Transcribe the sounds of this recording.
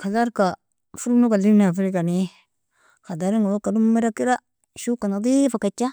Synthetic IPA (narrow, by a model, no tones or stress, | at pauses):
kalaɾka | fuɾnukalinfilikani | kadaɾiŋawakːadumːiɾakiɾa | ʃukanadifakat͡ʃːa